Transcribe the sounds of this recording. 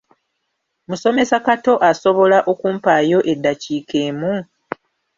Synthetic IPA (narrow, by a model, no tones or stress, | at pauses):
muso̞me̞sakato̞ʔaso̞βo̞laʔo̞kuːmpaːjo̞ʔe̞dːaciːke̞ːmu